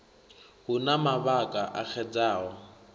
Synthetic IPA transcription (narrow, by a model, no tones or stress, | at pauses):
hʊnamaβakʼaʔak͡xʰɛd͡zaːɦɔ